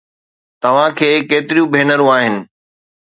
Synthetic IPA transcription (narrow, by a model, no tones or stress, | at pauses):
t̪ɐʋ̤ãkʰeːkeːt̪ɪɾijũbʱeːnəɾũaːɦɪnɪ̆